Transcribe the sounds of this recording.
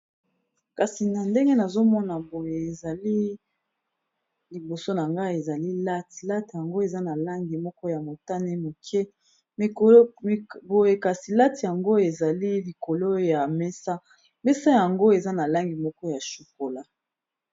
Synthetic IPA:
ka˨si˨na˨nde˦ŋɡe˦na˨zo˦mɔ˦na˨bo˨jeː˨za˨li˦ | li˨bo˨so˦na˨ŋɡa˦˨e˨za˨li˦la˦ti˨la˦tja˨ŋɡo˦e˨za˦na˨la˦ŋɡi˨mɔ˦kɔ˦ja˨mo˨ta˦ne˦mo˨kʰɛ˦˨ | bo˨je˨ka˨si˨la˦ti˨ja˨ŋɡo˦e˨za˨li˦li˨ko˨lo˦ja˨mɛ˦sa˦ | mɛ˦sa˦ja˨ŋɡo˦e˨za˦na˨la˦ŋɡi˨mɔ˦kɔ˦ja˨ʃu˨ko˨la˦

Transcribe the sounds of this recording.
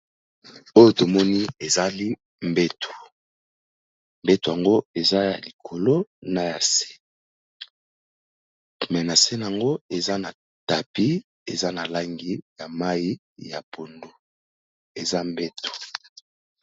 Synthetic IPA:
o˦jo˦to˨mɔ˦ni˦e˨za˦li˦ | mbɛ˦tʰo̥˨ | m˨bɛ˦to˨ja˨ŋɡo˦e˨za˦ja˨li˨kʰo˨lo˦na˨ja˨se̥˦ | mɛ˨na˨se˦na˨a˨ŋɡo˦e˨za˦na˨ | ta˨pi˦ | e˨za˦na˨la˦ŋɡi˦ja˨ma˦ji˦ | ja̰˨pʰo˨ndo˦ | e˨za˦m˦bɛ˦to̥˨

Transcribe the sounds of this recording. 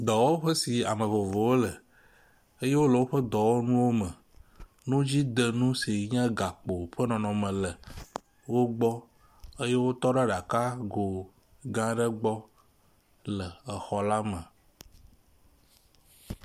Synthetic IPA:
d̪ɔ˨wo˦ɸə˦si˨a̰˨mə̃˨vo˨vo˨wo˦lə˨ | ə˦je˦wo˦lə˨wo˦ɸə˦d̪ɔ˨wo˦nũ˦wo˦mə̃˨ | nũ˦d͡ʑi˦d̪ə˨nũ˦si˨ɲã˦ɡa˨k͡po˨ɸə˦nɔ̃˨nɔ̃˨mə̃˨lə˨ | wo˦ɡ͡bɔ˦ | ə˦je˦wo˦t̪ɔ˦ɖa˦ɖa˨ka˦ɡo˨ | ɡã˦ɖə˦ɡ͡bɔ˦ | lə˨ə˨xɔ˨la˦mə̃˨

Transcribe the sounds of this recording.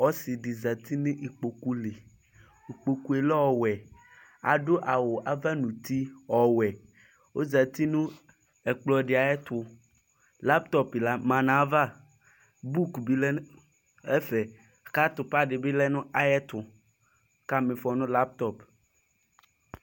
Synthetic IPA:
ɔ˦si˨ɖɪ˨za˨t̪ʰi˦nũ˦ʔi˨k͡po˨ku˦le˨ | i˨k͡po˨ku˦e˨lɛ˦ɔ˨wɛ˨ | a̰˨ɖo˦ʔa˨wo˨ʔa˨va˦nũ˨t̪i˦ɔ˨wɛ˨ | wo˦za˨t̪i˦nũ˦ | ɛ˨k͡plɔ˨ɖɪ˨a˨ɛ˦t̪ʊ˦ | la˦p̚t̪ɔ˦pla˦mã˨nã˨˦va˦ | bu˦kbi˦lɛ˦ | ɛ˦fɛ˨ | ka˦t̪ʊ˨pa˦ɖɪ˨bɪ˦lɛ˦nʊ̃˦a˨jɛ˦t̪ʊ˨ | ka˦mẽ˨fɔ˨nʊ̃˦la˦p̚t̪ɔ˦p

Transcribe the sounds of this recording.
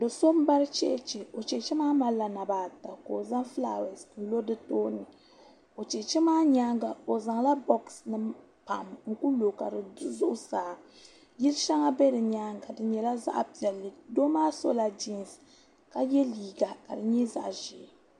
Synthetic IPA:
dɨ˨so˦m˦ba˦ɾɨ˦t͡ʃɛ̰˦t͡ʃɛ˨o˨t͡ʃɛ˨t͡ʃɛ˦maː˦ma˦la˨na˨baː˨ta˨ko˨za˦ŋfla̰˦˨wɛ˨sn̩˨lo˦dɨ˦toː˦nɨ˨ | o˨t͡ʃɛ˨t͡ʃɛ˦maː˦ɲaː˦ŋɡa˨o˨za˨ŋla˦bɔ˦ksnɨ˦ | pa˨ʔmŋ̩˨ku˦lo˨ka˨dɨ˨˦zʊ˦ʔʊ˦saː˨˦ | ji˦lʃa˦ŋa˦bɛ˦dɨ˨ɲaː˦ŋɡa˨dɨ˨ɲɛ˨la˦za̰˦ʔpi˨ɛ˨lːɨ˨do˦maː˦so̰˦la˨d͡ʒi˦n˨s | ka˨jɛ˦liː˨ɡa˨ka˨dɨ˨ɲɛ˦za̰˦ʔʒɛ˨

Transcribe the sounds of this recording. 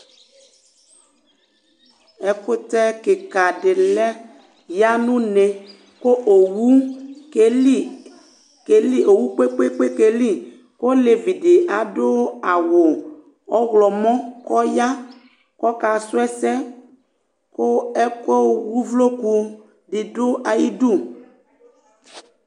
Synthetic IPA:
ɛ˦kʊ˦t̪ɛ˦kɪ˨ka˨dɪ˨lɛ˦ | ja˦nũ˦ne˨ | ko˦ʔo˨wu˦ke˦li˦ | ke˨li˦o˨wu˦k͡pe˦k͡pe˦k͡pe˦ke˨li˦ | ko˦le˨vi˨dɪ˨ʔa˨dʊ˦a˨wʊ˨ | ɔ˦ɣlɔ˨mɔ̃˦kɔ˦ja˦ | kɔ˦ka˨sʊ˦ɛ˦sɛ˦ | ko˦ɛ˦ko˦wu˦vlo˦ku˦ | ɖɪ˨dʊ˦a˨ji˦du˦˨

